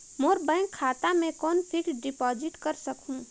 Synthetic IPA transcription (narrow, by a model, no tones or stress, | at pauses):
moːɾbə̃ɪ̃ŋkkʰːaːt̪amẽkɔːnpʰɪkɖɪpɔːd͡ʒɪʈkəɾsəkɦũ